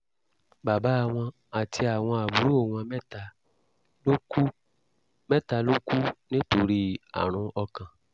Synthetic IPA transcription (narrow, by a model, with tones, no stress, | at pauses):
ba˨ba˨˦˨w̃ɔ̃˧ | a˨tʰi˧a˨w̃ɔ̃˧a˨bu˨˦ɾu˦o˦˨w̃ɔ̃˧mɛ˦ta˧ | o˦ | mɛ̃˦ta˧lo˦ku˦nĩ˦to˧ɾi˦a̰˨ɾ̃ũ˧ɔ˧kã˨